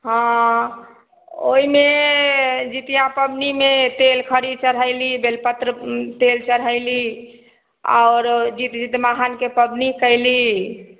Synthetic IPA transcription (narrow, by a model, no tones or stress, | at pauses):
ɦã | o̰ime | d͡ʒit̪ijãpəbnimet̪elkʰəɾid̪t͡ʃəɽɦəɪlibelpət̪ɾət̪elt͡ʃəɽ̤ɦəɪli | a̰ʊɾd͡ʒit̪d͡ʒit̪maɦankepəbnikəɪli